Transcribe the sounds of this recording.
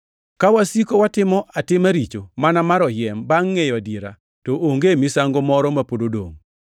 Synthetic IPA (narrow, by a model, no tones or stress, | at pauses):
kawasikowatɪmɔʔatɪmaɾit͡ʃomanamaɾɔjɛmbaŋːejadieɾa | tooŋɡemisaŋɡɔmɔɾɔmapododo̰ŋ